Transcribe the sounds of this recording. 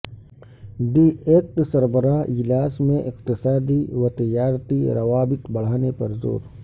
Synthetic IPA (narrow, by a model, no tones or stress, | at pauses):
ɖieːk̚ʈsɐɾbəɾaːɦɪlaːsmẽʔɪqt̪ɪsaːd̪iʋɐt̪ɐjaːɾt̪iɾɐʋaːbɪt̪bɐɽ̤aːnepɐɾzo̰ːɾ